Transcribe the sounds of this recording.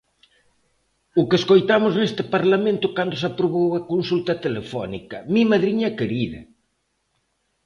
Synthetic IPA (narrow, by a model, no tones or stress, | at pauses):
ʊkeːskojt̪amʊznest̪ɪpaɾlamẽnt̪ʊkand̪ʊs̬apɾoβowɐkonsult̪ɐt̪elefɔ̰nḭkɐmĩmaðɾiɲɐkeɾiðɐ